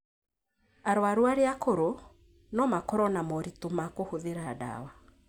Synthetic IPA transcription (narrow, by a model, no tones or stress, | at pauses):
aɾowaɾwaɾeakoɾo | nɔmakɔɾɔnamɔɾitomakohoðeɾaːda̰wa